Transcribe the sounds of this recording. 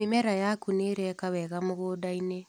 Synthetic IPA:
imɛɾajakuneːɾɛkawɛɣamoɣoːdaine

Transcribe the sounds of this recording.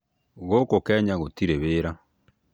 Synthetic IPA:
ɣokokɛːɲaɣotiɾeβeːɾa

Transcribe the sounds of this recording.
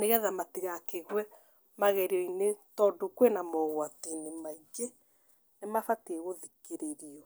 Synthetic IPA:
neɣɛðamatiɣakeɣwɛ | maɣɛɾiɔinetɔːdokwenamɔɣwatenemaiɡe | nemafatieɣoðikeɾeɾiɔ

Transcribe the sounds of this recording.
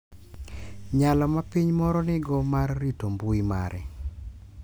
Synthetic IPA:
ɲalɔmapiɲmɔɾɔnɪɡɔmarːitombuima̰ɾɛ

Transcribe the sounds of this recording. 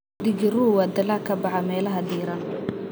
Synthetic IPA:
d̪ɪɡɪruwɑːd̪ɐlaːkʰɐbɑħɑmɛːlɐɦɐd̪iːɾɐn

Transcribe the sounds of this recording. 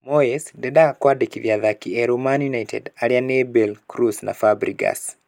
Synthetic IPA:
moesdɛdakwadekivjaðakiɛɾomanjunajtʰɛ̰daɾjanebɛlkɾusna̰fabɾiɡa̰s

